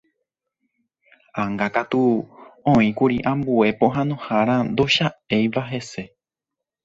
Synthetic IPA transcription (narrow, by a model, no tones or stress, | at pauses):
ãŋɡakat̪uõĩkuɾiʔãmbue̞põ̞ɦãnõhaɾ̃ãnd̪o̞ʃae̞jʋaɦe̞se̞